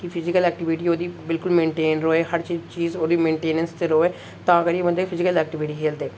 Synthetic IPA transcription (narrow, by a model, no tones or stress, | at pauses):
kipʰɪzɪkəlɛːk̚ʈɪʋɪʈiːoːd̪iːbɪlkʊlmẽːɳʈeːnɾoːeːhəɾt͡ʃiːt͡ʃiːzoːd̪iːmẽːɳʈeːnənst̪eːɾoːeː | t̪ãːəɡəɾjeːbənd̪epʰɪzɪkəlɛːk̚ʈɪʋɪʈiːkʰeːld̪eː